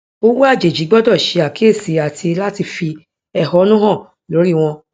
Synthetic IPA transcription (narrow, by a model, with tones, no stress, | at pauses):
o˦wu˦a˦˨d͡ʒe˨d͡ʒi˨˦ɡ͡bɔ˦dɔ˦˨ʃe˧˦a˨ki˨˦e˦˨si˨˦a˨tʰi˧la˦ti˧fi˧ | ɛ˦˨hɔ˨˦nũ˦ɦɔ̃˦˨ | lo˨˦ɾi˦˨w̃ɔ̃˧